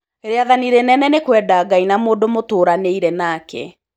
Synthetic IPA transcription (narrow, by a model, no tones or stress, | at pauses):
eɾeaðaniɾenɛnɛnekwɛːdaːɡainamoːdomotoːɾaneiɾɛnakɛ̰